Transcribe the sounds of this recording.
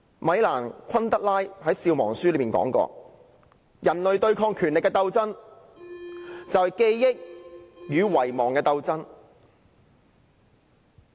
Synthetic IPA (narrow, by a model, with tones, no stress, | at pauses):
mɐ˨˧jlaː˨˩nkʷʰɐ˥nt̪ɐ˥k̚laː˥jhɐ˨˥jsiː˧wmɔ̰ː˨˩ŋsyː˥lmiː˨nkɔ̰ː˨˥ŋkɔ̰ː˧ | jʔɐ˨˩nlɵ˨ɥt̪ɵ˧ɥkʰɔː˧ŋkʰyː˨˩nlɪ˨kːɛ˧t̪ɐ˧wt͡sɐ˥n | t͡sɐ˨wke˧jːɪ˥k̚jyː˨˧wɐ˨˩jmɔː˨˩ŋkɛː˧t̪ɐ˧wt͡sɐ˥n